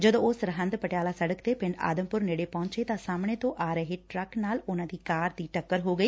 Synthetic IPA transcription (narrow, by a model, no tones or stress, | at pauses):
d͡ʒəd̪õːsɾɦə̃nd̪pəʈjaːlaːsəɽəkt̪eːpɪ̃ɳɖa̰ːd̪əmpʊɾneːɽeːpɔ̃ːɲt͡ʃeːt̪ãːsaːmɽ̃eːt̪õːʔaːɾəɦeːʈɾəknaːlʊnãːd̪iːkaːɾd̪iːʈəkːəɾɦoːɡəiː